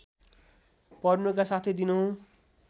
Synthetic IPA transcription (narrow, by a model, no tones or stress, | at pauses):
pʌɾnokasat̪ʰed̪inuɦõ